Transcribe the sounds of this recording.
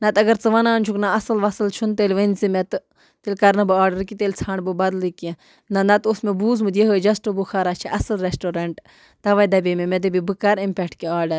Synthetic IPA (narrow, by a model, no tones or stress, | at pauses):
nɐt̪ɐɡɐɾt͡sɨʋɐnaːnt͡ʃʰuknaɐsɨlʋɐsɨlt͡ʃʰunt̪elʲʋɐnzimet̪ | t̪elʲkɐɾnɐbɨaːɾɖɐɾkit̪elʲt͡sʰaːɳbɨbɐd̪like | nɐnɐt̪usmebuːzmɨt̪ʲjeɦoːd͡ʒɐsʈɨbuxʰaːɾaːt͡ʃʰiʔɐsɨlɾesʈoːɾɐɳʈ | t̪ɐʋajd̪ɐbememed̪ɨbibɨkɐɾimpʲɛkʈʰkiaːɾɖɐɾ